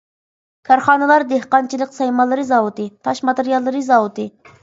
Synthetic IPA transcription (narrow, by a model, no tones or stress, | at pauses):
kʰʲɑɾχɑːnɨlˠɑɾd̪ehqɑnt͡ʃʰilˠəqsɑjmɑlˠːɨɾɨzɑwut̪ɨt̪ʰɑʃmɑt̪eɾijɑlˠːɨɾɨzɑwut̪ɨ